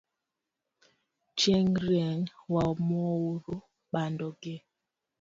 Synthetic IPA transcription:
t͡ʃɛŋɾɛŋwamɔwoɾo | ɓandɔɡɛ

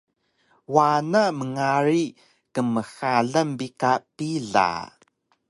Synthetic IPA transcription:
wanaməŋaɾi | kəməxaɮəmbikapiɮa̰

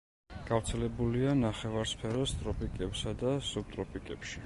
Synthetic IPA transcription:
ɡ̥avɾt̪sʰɛlɛbulianaχɛvaɾspʰɛɾɔst̪ʼɾɔpʰʼikʼɛpsad̪asub̥̚t̪ʼɾɔpʰʼikʼɛpʃi

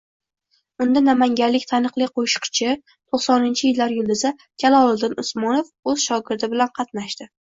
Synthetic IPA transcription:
ʊnd̪anamaŋɡʲaɾlːɪkʲt̪ʰanɨqlˠɪqʰoʃɪ̥qt͡ʃʰɪ | t̪ʰoχsɒnɪnt͡ʃʰɪjɪlːaɾjʊlˠd̪ɪza | kʲʰalˠɒlˠɪd̪ɪnʊsmɒnofɵzʃɒɡʲɪɾd̪ɪbɪlanqʰɑt̪naʃt̪ɪ

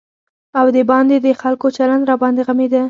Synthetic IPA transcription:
awd̪əbɑnd̪ed̪əxalkot͡ʃaland̪ɾɑbɑnd̪eɣamed̪a

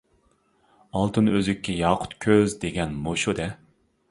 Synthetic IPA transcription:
ɑlˠt̪ʰɨnøzykʲʰːɛjɑːqʰʊ̥t̪kʲʰøzd̪eɡʲɛnmoʃod̪ɛ

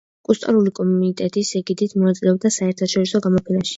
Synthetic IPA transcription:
kʼust̪ʼɔɾulikʼɔmunit̪ʼɛt̪ʼisɛɡid̪it̪ʰmɔat̪sʼlɛɔb̚d̪asaɛɾt̪ʰaʃɔɾisɔɡamɔpʰɛnaʃi̥

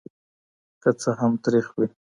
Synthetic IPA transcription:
kat͡saɦamt̪ɾixwi

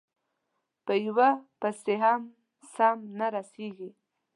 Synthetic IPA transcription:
pəjwapast̪eɦam | samnaɾaseɡi

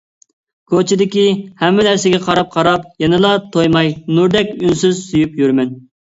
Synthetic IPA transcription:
kʰot͡ʃʰid̪ɪkʲihɛmːɪnæɾsɪɡʲɛqʰɑɾɑp̚qʰɑɾɑpjɛnɨlˠɑt̪ʰojmɑjnuɾd̪ɛkʲynsyzsyjypjyɾmɛn

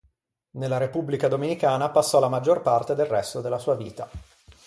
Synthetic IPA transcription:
nelːaɾepubːlikad̪omenikaːnapasːɔlamad͡ʒːorpart̪ed̪elrɛst̪od̪elːasuːaviːt̪a

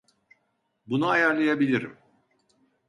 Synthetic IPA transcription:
bunuɦajaɾlˠajabilʲiɾḭm

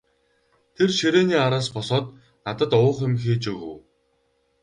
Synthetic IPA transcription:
t̪ʰerʃeɾeːniːaɾaːspɔsɔːt̪ | nat̪ə̆t̪ʊːχĕmxeːt͡ɕɵɣɘ̰̆w

